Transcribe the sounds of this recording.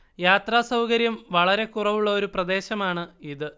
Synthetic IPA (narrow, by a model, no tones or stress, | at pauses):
jaːt̪raːsɐwkɐɾjɐmʋɐɭɐɾe̞kurɐʋuɭːɐo̞ɾuprɐd̪e̞ːɕɐmaːɳɨiðɨ